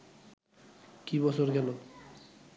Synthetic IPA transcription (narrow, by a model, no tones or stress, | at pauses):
kibɔsoɾɡɛlo